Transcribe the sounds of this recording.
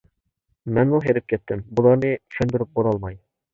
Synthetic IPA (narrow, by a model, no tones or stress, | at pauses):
mænbulˠɦæɾɘp̚kɘ̆t̪ːɘmbulˠɑɾnɤʃɵ̆nd̪ɤ̆ɾɤp̚qoɾɑlˠmɑj